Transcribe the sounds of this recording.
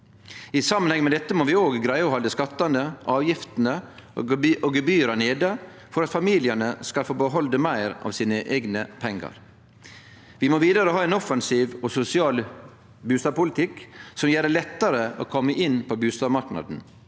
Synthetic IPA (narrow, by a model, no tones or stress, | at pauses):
ɪsɑmːənhɛŋmɛd̪ɛt̪ːəmoːʋɪoːɡɡɾæɪəɔːhɔld̪əskɑt̪ːɑnd̪əʔɑːʋjɪft̪n̩ə̰ | ʔoɡəbyːəɾɑneːd̪ə | fɔɾɑt̪fɑmiːlɪənəskɑlfoːbəɦɔld̪əmæɪɾɑ̰ːʋsiːnəʔeɪɡnəpʰɛŋɡɑ̰ɾ | ʋɪmoːʋiːd̪əɾəɦɑːɛnɔfɑnsiːʋɔsʊsɪɑːl | bʉːst̪ɑːbpʊlɪt̪ʰɪksɔmjæːɾəlɛt̪ːɑɾəo̰ːkʰɔmːəʔɪnːpʰɔbʉːst̪ɑːbmɑɾknɑ̰d̪n̩